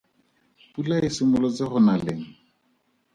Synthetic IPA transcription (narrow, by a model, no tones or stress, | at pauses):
pulaɪsɪmʊlɔt͡sɪχʊnaleŋ̩